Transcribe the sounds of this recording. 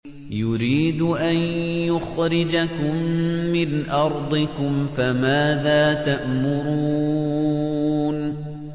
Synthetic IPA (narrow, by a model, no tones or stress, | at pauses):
jʊɾiːd̪ʔanjʊxɾɪd͡ʒakʊmːɪnʔɑɾˤd̪ˤɨkʊmfamaːðaːt̪aʔmʊɾuː | n